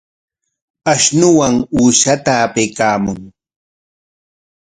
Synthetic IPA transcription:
aʃnʊwaŋuːʃat̪aːpejkaːmʊŋ

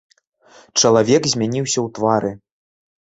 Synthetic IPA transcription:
t͡ʂɐlˠavʲɛkzʲmʲanʲiwsʲɐwt̪vaɾʔɨ

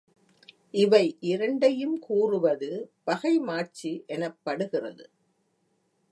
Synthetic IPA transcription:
ʔɪʋɐɪʔɪɾɐɳɖɐjɯmkuːrɯʋɐðɯbɐɣɐɪmaːt͡ʃːiʔɛnɐpːɐɽɯɣɪrɐ̰ðɯ

